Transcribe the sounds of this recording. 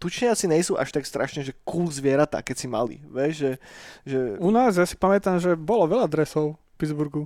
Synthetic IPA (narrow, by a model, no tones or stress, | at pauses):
t̪ut͡ʃɲɪat͡siɲɛjsuːʔa̰ʃt̪akst̪ɾʔaʃɲɛʒɛkuːlzʋɪɛɾat̪a̰ːkɛcsima̰lḭʋɛʒʒɛʒɛunaːzjasi̥pamɛt̪amʒɛbɔlɔʋɛʎad̪ɾɛsɔʊfpidd͡zbuɾɡu